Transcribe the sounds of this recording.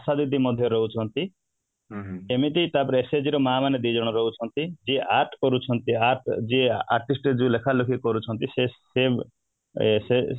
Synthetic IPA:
asad̪id̪imɔd̪ʱjɔɾɔɦut͡ʃʰɔnt̪i | emit̪ijt̪apɔɾesed͡ʒiɾɔmaːmaned̪id͡ʒɔɽ̃ɔɾɔɦut͡ʃʰɔnt̪id͡ʒieʔaɾʈkɔɾut͡ʃʰɔnt̪iaɾʈd͡ʒiea̰ɾʈisʈed͡ʒũlekʰalukʰikɔɾut͡ʃʰɔnt̪isese | se

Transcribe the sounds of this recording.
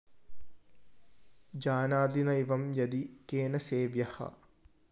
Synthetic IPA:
d͡ʒaːnaːd̪inɐjʋɐmjɐd̪ikeːnɐseːʋjɐhɐ̰

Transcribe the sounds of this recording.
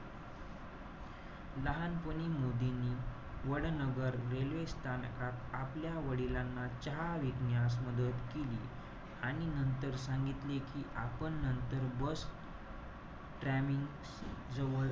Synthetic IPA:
ləɦanpənimod̪inːiː | ʋəɽnəɡəɾɾelʋest̪ʰankat̪apljaʋəɽilanːat͡ɕəɦaʋiɡnjas̬məd̪ət̪keliː | aɽ̃inənt̪əɾsãŋɡit̪lekiːʔapəɳːənt̪əɾbəs | ʈɾæmiŋɡ | d͡zəʋə

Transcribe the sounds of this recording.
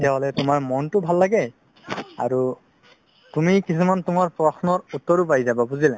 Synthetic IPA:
tɛɦɔlɛtʊmaɹmɔntʊbʱalːaɡɛ | a̰ɹu | tumikisumantʊmaɹpɹɔsnɔɹutːɔɹupaɹizababuzila

